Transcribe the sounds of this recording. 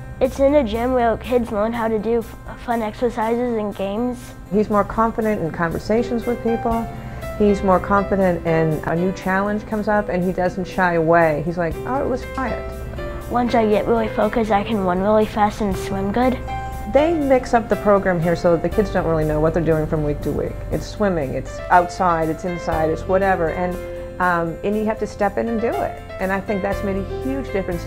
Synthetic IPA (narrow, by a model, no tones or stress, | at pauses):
ɨtsɨ̃nɨd͡ʒɪ̃mwikʰɪdzlɜ̃˞nɦaʊɾɨdɨ | fʌ̃nɛksə˞saɪzɨzɨ̃nɡẽɪ̃mz̥ | hizmɔɹkʰɑ̃ɱfɨɾɨ̃ntɨ̃n̩kʰɑ̃ɱvə̰˞seɪʃn̩zwɨð̥pipl̩ˠhizmɔɹkʰɑ̃ɱfɨɾɨ̃ntɪ̃nənʉt͡ʃʰælˠə̃nʒ̥kʰʌ̃mzʌpɨ̃nidʌzn̩tʃaɪəweɪizlaɪkʔo̰ʊɨ̰t̚wʌz̥kʰɹ̥aɪɨ̰̃t̚ | wʌ̃nsaɪjɛʔɹʔɪlˠifoʊkɨsaɪkʰɨ̃nwʌ̃nɪl̩ˠifæsɨ̃n̩swɪ̃mɡʊd̥ | ðeɪmɪksʌp̚ðɨpʰɹ̥oʊɡɹæ̃mɦiɹsoʊðɨkʰɪdzdõʊ̃nʔ̚ɹɪlˠinoʊwʌt̪̚ðə˞dʉɪ̃ŋfɹʌ̃mwik̚tʰəwḭkɨ̰tswɪ̃mɪ̃ŋɨ̰ts | aʊtsaɪɾɨtsɨ̃nsaɪɾɨtswʌɾɛvə˞ʔɨ̃n | ʔʌ̃mɨ̃njɨhæftɨstɛpɨ̃nɨ̃ndɨɪ̰t̚ʔɨ̃naɪθɪ̃ŋk̚ðætsmeɪɾɨhjʉd͡ʒdɪfɹɨ̃ns